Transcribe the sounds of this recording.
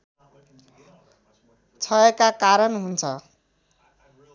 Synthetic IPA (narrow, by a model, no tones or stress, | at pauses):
t͡sʰʌekakaɾʌnɦunt͡sʰʌ